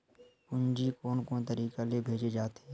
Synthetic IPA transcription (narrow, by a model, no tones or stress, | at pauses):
ʊnd͡ʒikoːnkoːnt̪əɾiːkalebʱeːd͡ʒed͡ʒaːt̪eː